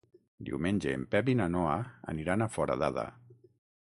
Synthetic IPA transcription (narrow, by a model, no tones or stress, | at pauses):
d̪ḭwmenʲd͡ʒeːmpɛpinanɔaa̰niɾanafɔɾa̰ðaða̰